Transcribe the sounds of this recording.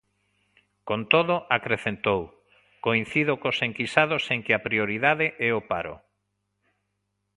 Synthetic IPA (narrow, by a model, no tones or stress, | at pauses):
kont̪oðʊʔakɾeθent̪ow | koin̟θiðokoseŋkisaðoseŋkɪapɾioɾiðaðɪʔɛopa̰ɾʊ̰